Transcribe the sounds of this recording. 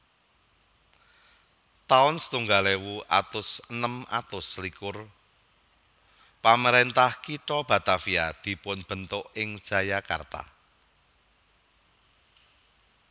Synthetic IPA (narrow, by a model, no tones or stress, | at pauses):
t̪aʊnsə̥t̪uŋɡalewuʔa̰t̪ʊsənəma̰t̪ʊslikʊr | paməɾent̪ahkiʈɔb̥ä̤t̪afiad̪̥i̤pʊnb̥ə̤nt̪ʊʔɪŋd̥ʒ̥ä̤jaka̰rt̪a̰